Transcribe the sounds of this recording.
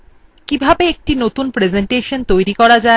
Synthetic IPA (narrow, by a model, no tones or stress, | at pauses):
kibʱabeek̚ʈinot̪unpɾed͡ʑeɳʈeʃont̪ojɾikɔɾad͡ʑae